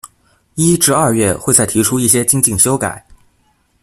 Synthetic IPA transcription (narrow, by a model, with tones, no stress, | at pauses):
i˥ʈ͡ʂɻ̩˥˧ɐ˞˥˧ɥɛ˥˩xwe˥˧ɪt͡sa˥˩ɪt̪ʰi˧˥ʈ͡ʂʰu˥i˥˩ɕ̬jɛ˥t͡ɕi˥ŋt͡ɕi˥˩ŋɕjo˥ʊka̰˨˩˦ɪ